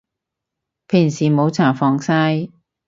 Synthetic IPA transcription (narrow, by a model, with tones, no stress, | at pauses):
pʰiː˨˩ŋsiː˨˩mo˨˧˥wt͡sʰaː˨˩fɔː˧ŋsaː˥j